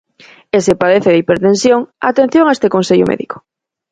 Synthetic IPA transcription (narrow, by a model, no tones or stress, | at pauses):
esepaðeθeðipeɾt̪ẽnsjoŋa̰t̪en̟θjõŋaest̪ekonseʎʊ̰mʔḛðḭko̥